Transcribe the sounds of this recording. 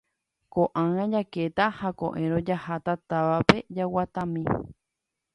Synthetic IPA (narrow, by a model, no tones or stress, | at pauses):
koʔãŋ̃ãd͡ʒaket̪ahakõ̰ʔẽɾõd͡ʒahat̪at̪aʋape̞d͡ʒawat̪ãmĩ